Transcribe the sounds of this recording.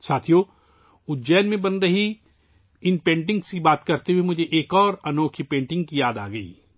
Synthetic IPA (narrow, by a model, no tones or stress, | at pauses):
saːt̪ʰijo | ʊd͡ʒɛːnmẽbɐnɾɐɦi | ɪnpẽːɳʈ̬ɪ̃ŋɡsibaːt̪kɐɾt̪eɦuemʊd͡ʒʱeʔeːkɔːɾɐnoːkʰipẽːɳʈɪ̃ŋɡkijaːd̪a̰ːɡɐḭː